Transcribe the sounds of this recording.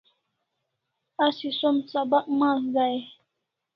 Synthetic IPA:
asisomsabaʔ̚mazaj

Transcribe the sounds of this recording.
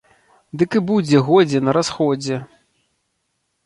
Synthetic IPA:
d̪ɨkɨbud͡zʲɛɣɔd͡zʲɛnɐɾasxɔd͡zʲɛ

